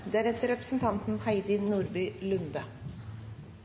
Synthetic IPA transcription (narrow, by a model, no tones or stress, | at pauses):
d̪ːæɾɛt̪əɾɛpɾəsn̩t̪ʰɑnt̪n̩hæɪd̪ɪnuːɾbyːlʉnd̪ə